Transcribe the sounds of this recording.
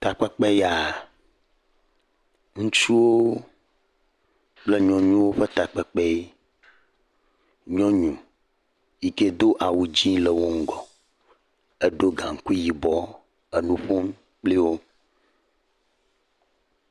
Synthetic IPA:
t̪a˨k͡pɛ˦k͡pɛ˦ja˨ | ŋũ˦t͡ʃu˦wo˦ | k͡ple˦ɲɔ̃˨ɲũ˦wo˦ɸɛ˦t̪a˨k͡pɛ˨k͡pɛ˦i˦ | ɲɔ̃˦ɲũ˨ | ji˨ke˦d̪o˦ʔa˨wu˨d͡ʑĩ˦lɛ˨wo˦ŋ̩˦ɡɔ˨ | e˦ɖo˦ɡã˨ŋ̩˨ku˦ji˨bɔ˦ | e˨nũ˦ɸo˦m | k͡pli˦wo˦

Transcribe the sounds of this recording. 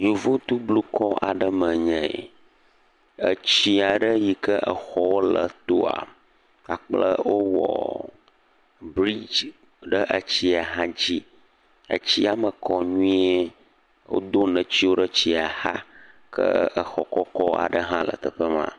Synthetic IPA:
ɲu˨vo˦t̪u˦blu˦kʰɔ˦a˨ɖə˦mə̃˨ɲɛ̰̃˨ | ə˨t͡ɕi˦a˨ɖə˦ji˨kə˦ʔə˨xɔ˦wo˦lə˨t̪o˦a̰˨ | a˨k͡plə̰˦wo˦wɔ̰˨ | bɾi˦d͡ʒ | ɖə˦ʔə˨t͡ɕi˦a˨ɦã˦d͡ʑi˦ | ə̰˨t͡ɕi˦a˨mə˨kɔ˨ɲũ˦ĩ˦e˦ | wo̰˦d̪o˦nə̃˨t͡ɕi˦wo˦ɖə˦t͡ɕi˦a˨ha˦kʰə̰˦ə˨xɔ˨kɔ˦kɔ˦a̰˨ɖə˦ɦã˦lə̰˨t̪ə˨ɸə˦mã̰˦

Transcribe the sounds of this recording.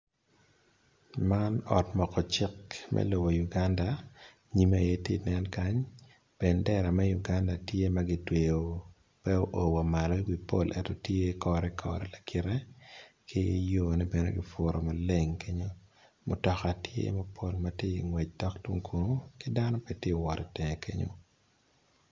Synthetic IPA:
ma˦nɔ˨tmɔ˨kɔ˨t͡ʃɪ˦kmʔɛ̰lo˨bo˨ju˨ɡa˦nda˨ | ɲi˨˦ma˨je˦te˦˨nɛ˦nka˦ɲ | bɛ˨ndɛ˦ɾa˨mɛ˦ju˨ɡa˦nda˨tje˦maɡɪ˨twe˨o˨ | pɛ˦o˦ʔo˨wa˨ma˨lɔ˦wi˨po̰˦lʔɛ̰˦tɔ˨tje˦kɔɾɛ˦kʰɔ̰ɾɛ˨la˨kɪ˨ɾɛ˦kʰɪ˦e˦jo˦nɛ˦bɛ˨no̰˦ɡɪ˨fo˨ɾɔ˨ma˨le˦ŋke˦ɲo˦ | mʊ̰˨tɔ˨ka˨tʰjḛ˦ma˦pʰo˦lmatje˦i˨ŋwɛ˨t͡ʃ̚dɔ˦kdu˦ŋkʰu˨no˦kɪ˦da˦nɔ˦pe˨tje˦˨wɔ˨ɾɛ˨tɛ˨ŋe˨kʰḛ˦ɲo̰˦

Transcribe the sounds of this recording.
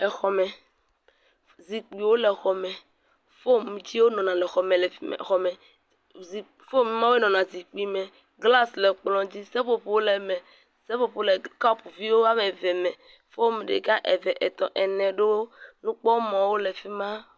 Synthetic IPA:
ɛ˨xɔ˨mɛ̃˨ | zi˨k͡pi˨wo˦lɛ˨xɔ˨mɛ̃˨ | fo˦mũ˨˦d͡ʑi˦wo˦nɔ̃˨nã˨lɛ˨xɔ˨mɛ̃˨lɛ˨fi˦m̰˨xɔ˨mɛ̃˨ | zi˨ | fo˦mi˦mã˦we˦nɔ̃˨nã˨zi˨k͡pi˦mɛ̃˨ | ɡla˦slɛ˨k͡plɔ̃˨d͡ʑi˦sɛ˦ɸo˨ɸo˦wlɛ˨mɛ̃˨ | sɛ˦fo˨ɸo˨˦le˨ka˦pu˨vi˦wo˦a˦mɛ˨vɛ˨mɛ̃˨ | fo˦mẽ˨ɖḛ˨ɡa˦ʔɛ˨vɛ˨ʔɛ˨t̪ɔ̃˨ʔɛ˨nɛ̃˨ɖe˦wo˦nũ˦k͡pɔ˦mɔ̃˨wo˦lɛ˨fi˦mã˦

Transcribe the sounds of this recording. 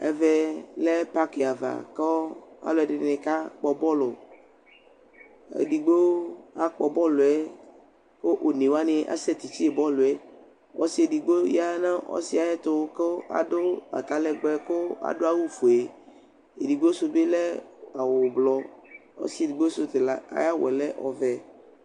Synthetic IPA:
ɛ̰˦vɛ˦lɛ˦pa˦ke˨a˨va̰˨kɔ˦a̰˦lo˨˦ɛ˨ɖɪ˨˦nẽ˨ka˦k͡pɔ˨bɔ˦lo˨ | ḛ˨di˨ɡ͡bo˦a˨k͡pɔ˨bɔ˦lo˨ɛ˦ | ko˦ʔo˨nẽ˨wa˦nẽ˨ʔa̰˨sɛ˦t̪i˨t͡ɕi˦e˨bɔ˦lo˨ɛ˦ | ɔ̰˦si˦e˨di˨ɡ͡bo˦ja˦nã˦ʔɔ̰˦si˦a˨jɛ˦t̪ʊ˦ko˦a̰˨dʊ˦a̰˨t̪a˨lɛ˨ɡ͡bɛ˦kʊ˦a̰˨dʊ˦a˦wu˦fo˨e˨ | e˨di˨ɡ͡bo˦so˦be˦lɛ˦a˨wʊ˨blɔ˨ɔ̰˦si˦e˨di˨ɡ͡bo˦sʊ˦t̪e˨la˨a̰˨ja˦wɛ̰˨lɛ˦ʔɔ̰˨vɛ˨

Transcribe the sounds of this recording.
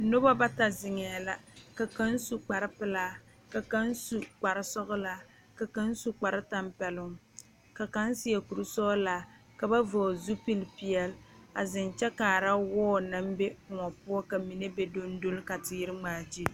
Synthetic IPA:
no˦ba˦ba˦ta˨zɪ˨ŋɛ˨la˨ka˨ka˦n˦su˨k͡pa˨ɾɪ˦pɨ˦laː˦ | ka˨ka˦n˦su˨k͡pa˨ɾɪ˦sɔ˦ɣʊ˦la˦ | ka˨ka˦n˦su˦k͡pa˨ɾɪ˦ta˦mpɛ˨lʊ˦ŋ | ka˨ka˦n˦si˦jɛ˨ku˨ɾu˦sɔː˦la˨ | ka˨ba˦vɔ˨zu˦pi˦lpi˦ɛ˨la̰˨zɪ˨nt͡ʃɛ˦kaː˨ɾa˦wɔː˦na˦m˦be˦kʊ˨ŋɔ˨pʊ˦ɔ˦ka˨mi˨ne˦be˦do˦n˦do˦lka˨tɪ˨jɪ˦ɾɪ˦ŋ͡maː˨d͡ʒi˦

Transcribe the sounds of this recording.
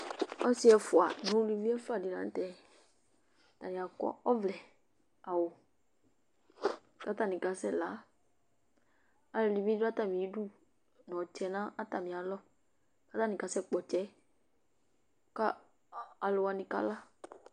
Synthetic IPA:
ɔ˦sɪ˦ɛ˧fʊ˨a̰˨nʊ̃˦li˦˧vi˦ɛ˦fa˨dɪ˨nã̰˨˦n̩˦tɛ˦ | ta˨nĩ˨a˨kɔ̰˦ɔ˦vlɛ˨ | a˨wʊ˨ | ka˦ta˦˨nĩ˨ka˨sɛ˦˨la˨˦ | a˨lɪ˧li˨mi˦dʊ˦a˦ta˨mĩ˨i˦du˦ | nɔ̃˨t͡ʃɛ˨nã˦a˦ta˨mĩ˨a˨lɔ˦ | ka˦ta˦nɪ̃˨ka˨sɛ˦k͡pɔ˨t͡ʃɛ˨˦ | ka˦˨ | a˨lɪ˧wa˧nɪ̃˧ka̰˦la˦

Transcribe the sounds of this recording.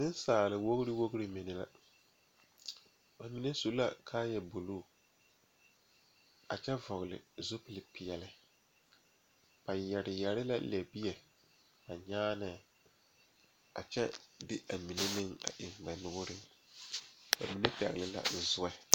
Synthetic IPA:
sɪ˦n˦saː˨lɪ˨wo˦ɣɾɪ˦wo˦ɣɾɪ˦mɪ˨nɪ˨la˦ | ba˨mi˨ne˦su˦la̰˦˨kʰaː˦jɛ˨bo˨loː˦˨ | a̰˨t͡ʃɛ˦vɔ˨ɣlɪ̰˨zo˦pɪ˦˨lɪ˨pɪ˨ɛ˨lɪ˦ | ba˨jɛ˨ɾɪ˨jɛ˨ɾɪ˦la̰˦lɛ˨bi˦jɛ˨ | ba˨ɲaː˦nɛ˨ | a̰˨t͡ʃɛ̰˦dɪ˦ʔa˨mi˨ne˦nɪ˦ŋa̰˨ʔɪ˨ŋba˨nʊ˨ɣʊ˦ɾɪ˦ŋ | ba̰˨mi˨ne˦pɛ̰˨ɣɪ˨lɪ˨la̰˦˨˦zʊ˦ɛ˦

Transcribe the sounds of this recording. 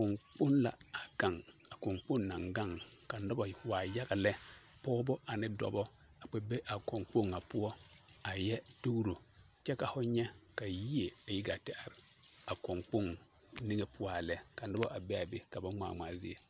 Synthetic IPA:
kʊ˨ŋk͡pʊ˦nla̰˨a˨ka˨ŋa˨kʊ˨ŋk͡pʊ˦nna˨ŋɡa˦˨ŋka˨n̩˦dɔ˦ba˨waː˨ja˦ɡa˨lɛ˦pɔː˦bʊ˦ʔa˨nɪ˦dɔ̰˦bɔ˦ | a˨k͡pɛ˨be˦ʔa˨kɔ˨ŋk͡po˦ŋa˨pʊ˦ɔ˦ | a˨jɛ˦tu˦ɾo˨ | t͡ʃɛ˦ka˨hʊ˦ɲɛ˦ka˨ji˦e˨a˨ji˦ɡa˨tɛ˦a˨ɾɪ˨ | a˨kʊ˨ŋk͡pʊ˦n | ni˦ŋe˨pʰʊ˦ɔ˦a˨lɛ˦ka˨n̩˦dɔ˦ba˦˨ʔa˨bɛ˦a˨be˦ka˨ba˦ŋ͡ma̰ː˨maː˨zɪ˦e˨

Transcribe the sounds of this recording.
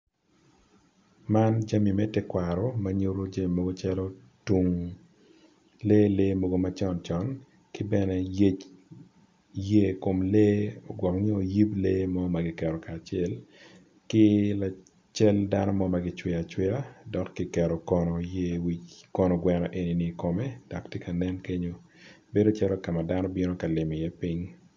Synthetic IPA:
ma˦nd͡ʒa˦mi˨mɛ˦tɛ˦kwa˨ɾɔ˨ma˦ɲo˦ɾo˦d͡ʒa˦mi˨mo˦ɡo˦t͡ʃɛ˦lo˦ | tu˨ŋ | leː˦le˦mo˦ɡo˦ma˦t͡ʃɔ˦nt͡ʃɔ˦n | kɪ˦bɛ˦nɛ˦je˦t͡ʃ | je˦ko˨mle˦ɔ̰˨ɡwɔ˨kɲe˦o˨ji˦ple˦mɔ˦maɡɪ˨kɛ˨ɾɔ˨ka˨t͡ʃɪɛ˦l | kɪ˦la˨ | t͡ʃɛ˦lda˦nɔ˦mɔ˦ma˨ɡɪ˦t͡ʃwɪ˨a˨t͡ʃwɪ˦a˦dɔ˨kːi˨kɛ˨ɾɔ˨kɔ˨nɔ˨je˦wi˦kɔ˨nɔ˨ɡwɛ˨nɔ˨ʔe˨ni˨ni˨ko˨mɛ˦d̥ɔ˨ktje˦ka˨nɛ˦nke˦ɲo˦ | be˦do˦t͡ʃɛ˦ɾo˦ka˨ma˨da˦nɔ˦bi˦no˦ka˨lɪ˨mi˨jɛ˦pi˦ɲ

